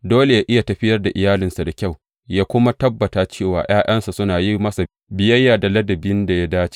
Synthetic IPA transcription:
doː˦le˨jaː˦ʔɪ˦ja˨tɐ˨ɸɪ˦jɐ˦rda˨ʔɪ˨jaː˦lɪ˨nsa˨da˨kʲa˦˨w | jaː˦kʷʊ˦ma˦tɐ˦bːɐ˨taː˨t͡ʃeː˦˨waː˨j̰aː˦ʔɐ˦nsa˨sʊ˦naː˨ji˦mɐ˦sa˨ | bɪ˦jɐ˦jːaː˨da˨lɐ˦dɐ˨bɪ˦nda˨ja˦daː˦t͡ʃe̥˦

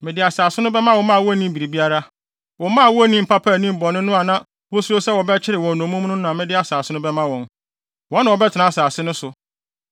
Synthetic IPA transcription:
mɪ̃˨dɪ˨a˨saː˨sɪ˦nʊ̃˦bɛ˦mã˦wɔ̃˨mã˦˨wɔ˦nĩ˦m˦bi˨ɾi˨bi˦a˦ɾa˦ | wɔ̃˨˦mã˦˨wɔ˦nĩ˦m̩˨pʰa˦pʰa˦˨nĩ˦m˨bɔ˨nʊ̃˦nʊ̃˦a˨nã˦ | wɔ˦su˦ɾo˦sɛ˦wɔ˨bɛ˦t͡ɕʰɪ˦ɾɪ˨wɔ̃˨nɔ̃˨˦mũ˦nʊ̃˦nã˨mɪ̃˦dɪ˦a˨saː˨sɪ˦nʊ̃˦bɛ˦mã˦wɔ̃˨n | wɔ̃˦nːã˨wɔ˨bɛ˦tʰɪ˨nã˨a˨saː˨sɪ˦nʊ̃˦sʊ˨

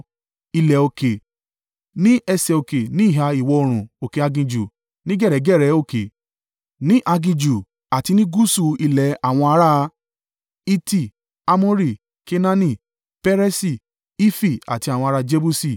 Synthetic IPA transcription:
i˧lɛ˨o˧ke˨ | nĩ˦ɛ˧sɛ˧˨o˧˨ke˨nĩ˨˦i˦˨ɦa˧i˨wɔ˧o˧ɾ̃ũ˨o˨ke˨a˧ɡĩ˧d͡ʒu˨ | nĩ˦ɡɛ˦˨ɾɛ˨˦ɡɛ˦˨ɾɛ˨˦o˦˨ke˨ | nĩ˦ʔa˧ɡĩ˧d͡ʒu˨ | a˨ti˧nĩ˦ɡu˦su˧˨i˧lɛ˨a˨w̃ɔ̃˧a˧˦ɾa˦˧ | i˦ti˦˨ | a˧mõ˦ɾi˦˨ | ke˧nã˦nĩ˧˨ | pɛ˦ɾɛ˦si˦˨ | i˦fi˦˨a̰˨ti˧a˨wɔ̃˧a˧ɾa˧d͡ʒe˦bu˦si˦˨

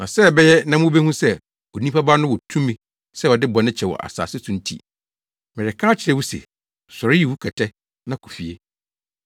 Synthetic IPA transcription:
nã˨sɛ˦˨bɛ˦jɛ˦nã˦m˦ʊ̃˦be˦hũ˦sɛ˦ | o˨nĩ˦pa˦baː˦nʊ̃˦wɔ˨tʰũ˦mĩ˨ | sɛ˦ɔ˨dɪ˦bɔ˨nɪ̃˦t͡ɕʰɛ˨wɔ̰˨ʔa̰˨sa̰ː˨sɪ˦sũ˦n̩˦tʰḭ˨ | mɪ˨ɾɪ˨kʰa˦t͡ɕʰɪ˨ɾɛ˦wu˦sɛ̰˨ | sɔ˨ɾɪ˦ji˨wu˦kʰɛ˨tʰɛ˦ | nã˦kʰu̥˨fi˨e˦

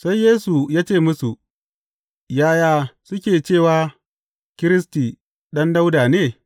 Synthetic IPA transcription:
sa˦jjeː˦su˨jaː˦t͡ʃeː˦˨mʊ˦su˨ | jaː˦jaː˦sʊ˦kʲeː˨t͡ʃeː˦˨waː˦ | kʲɪ˦ɾɪ˦stiː˨ | ɗɐ˦nda˦wdaː˨neː˦

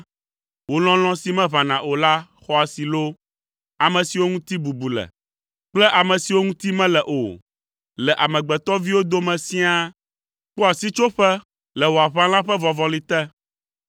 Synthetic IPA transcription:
wo˦l̃ɔ̃˦l̃ɔ̃˦si˦mɛ̃˦βã˨nã˨ʔo˨la˦ | xɔ˦a˨si˨lo˦ | a˨mɛ̃˨si˨wo˦ŋũ˦t̪i˦bu˨bu˨lɛ̰˨ | k͡plɛ˦ʔa˨mɛ̃˨si˨wo˦ŋũ˦t̪i˦mɛ̃˦lɛ˨ʔo˨ | lɛ˨ʔa˨mɛ̃˨ɡ͡bɛ˨t̪ɔ˦vi˦wo˦d̪o˦mɛ̃˨sĩ˦a˦ | k͡pɔ˦a˨si˦t͡ʃo˦ɸɛ˦ | lɛ˨wo˨a˨βa˦l̃ã˦ɸɛ˦vɔ̃˨vɔ̃˨li˦t̪ɛ˦

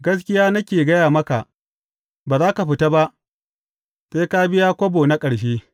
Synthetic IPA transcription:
ɡɐ˦s̬kʲɪ˦jaː˦na˦kʲeː˨ɡɐ˦jaː˨mɐ˦ka˨ʔ | baː˨zaː˦ka˨ɸɪ˦ta˦ba˦ʔ | seː˦ka˦bɪ˦jaː˦kʷo˦boː˨na˦kʼɐ˨ɽʃ̬eː˦

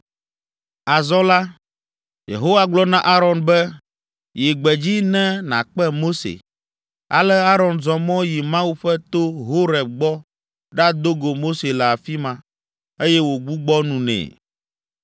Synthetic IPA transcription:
a˨zɔ˦la˦ | jḛ˨ɦo˦wa˨ɡ͡blɔ˦nã˦ʔa˦ɾɔ˨nbɛ˦ | je˨ɡ͡bɛ˨d͡ʑi˦nɛ̃˦nã̰˨k͡pɛ˦mo˦sḛ˨ | a̰˨lɛ˦a˦ɾɔ˨nd͡ʒɔ̃˨mɔ̃˦ji˨mã˦wu˦ɸɛ˦t̪o˦ɦo˦ɾɛ˨b̚ɡ͡bɔ˦ | ɖa˦d̪o˦ɡo˨mo˦se˨lɛ˨a˨fi˦mã˨ | e˦jɛ˦wo˨ɡ͡bu˦ɡ͡bɔ˦nũ˨nɛ̰̃˨

